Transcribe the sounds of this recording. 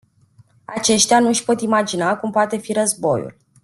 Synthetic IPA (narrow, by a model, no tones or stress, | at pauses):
at͡ʃe̞ʃt̪eanuʃpo̞t̪imad͡ʒinakumpoat̪e̞fiɾəzbo̞̰jṵl